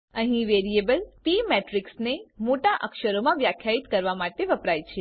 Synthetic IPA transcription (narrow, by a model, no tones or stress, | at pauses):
əɦĩʋeɾiebəlpimeʈɾiksnemoʈaʔəkʃəɾomãʋjakʰjait̪kəɾʋamaʈeʋəpɾajt͡ʃʰe